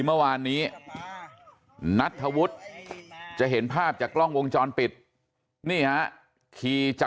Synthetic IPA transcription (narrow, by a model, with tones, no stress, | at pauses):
mɯ˥˩waː˧nːiː˦˥ | na˦˥t̪ʰːa˧wu˦˥t̪̚ | t͡ɕa˨˩ʔɦe˩˦npʰaː˥˩p̚t͡ɕaː˨˩klɔ˥˩ŋwo˧ŋt͡ɕɔː˧npi˨˩t̪̚ | niː˥˩ha˦˥ʔ | kʰiː˧t͡ɕ